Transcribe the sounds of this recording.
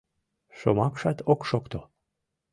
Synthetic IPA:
ʃo̰mɑkʃɑt̪ʰokʃokt̪o

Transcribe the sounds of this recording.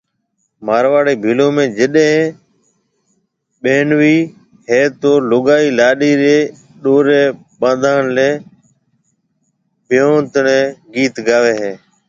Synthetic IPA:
maːɾʋaːɽeːbʱiːlõːmẽːd͡ʒɪɗɦẽː | ɓeːɳʋiː | ɦeːt̪oːlʊɠaːiːlaːɗiːɾeː | ɗoːɾeː | ɓãːd̪ʱaːɳleː | bʱɪjõːt̪əɳẽːɡiːt̪ɡaːʋeːɦeː

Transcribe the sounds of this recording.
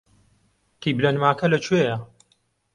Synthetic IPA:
kiːblɐnmaːkɐlɐt͡ʃʰwejɐ

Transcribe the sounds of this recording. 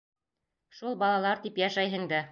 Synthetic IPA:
ʃulˠbɑlˠɑlˠɑɾt̪ipjɑʃæjɦɤ̆ŋd̪æ

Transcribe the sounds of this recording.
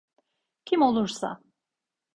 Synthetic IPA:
cʰimo̞lˠuɾsa̰

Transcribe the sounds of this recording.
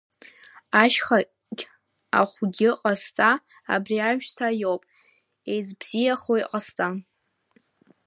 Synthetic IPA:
aʃχa | ɡʲ | a̰χʷɡʲɪqʼastʼa̰ː | briaɥʃtʰajo̞wpʼ | ejzbz̥ijaχoiqʼastʼa

